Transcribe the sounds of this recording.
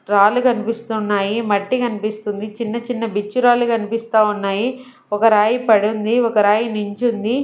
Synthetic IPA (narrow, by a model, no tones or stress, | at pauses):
ɾaːlukɐnipist̪unːaːjimɐʈːikɐnipist̪und̪it͡ʃinːɐt͡ʃinːɐbit͡ʃːuɾaːlukɐnipist̪aːunːaːji | ɔkɐɾaːjipɐɽund̪iɔkɐɾaːjinuɲt͡ʃund̪i